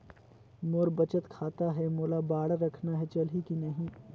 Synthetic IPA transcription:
moːɾbɐt͡ʃət̪kʰaːt̪aɦɛmoːlabaːɽɾɐkʰnaɦɛt͡ʃɐlɦikinɐɦĩ

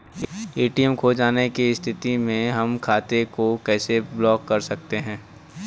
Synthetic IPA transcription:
eːʈiɛmkʰoːd͡ʒaːnekiɪst̪ʰɪt̪imẽɦɐmkʰaːt̪ekokɛːseblɔːkːɐɾsɐk̚t̪eɦɛ̃ː

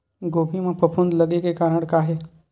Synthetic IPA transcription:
ɡoːbimãpəpʰʊ̃nd̪ləɡekekaːɾəɽ̃kaːɦeː

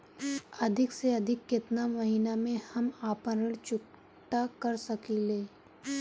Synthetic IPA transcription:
ɐd̪ʱɪkseɐd̪ʱɪkːɪt̪namɐɦiːnamẽhɐmaːpəɾəɽt͡ʃʊk | ʈakɐɾsɐkileː

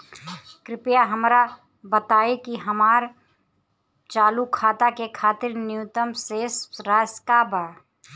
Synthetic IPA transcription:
kɾɪpɪjaɦəmɾa | bət̪aːekiɦəmaːɾ | t͡ʃaːlukʰaːt̪akekʰaːt̪ɪɾnjʊt̪əmsesɾaːskabə

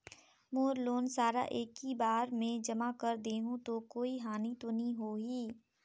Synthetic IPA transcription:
moːɾloːnsaːɾa̰ʔeːkɦibaːɾmẽd͡ʒɐmakɐɾd̪eːɦũt̪okoːiɦaːnit̪onĩɦoːɦiː

